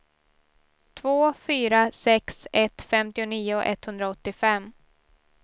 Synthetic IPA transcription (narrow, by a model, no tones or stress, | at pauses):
t̪ʰvoːfyːɾasɛksɛt̪ːfɛmt̪ɪʊniːʊʔɛ̰t̪hɵnd̪ɾaɔt̪ːɪfɛmː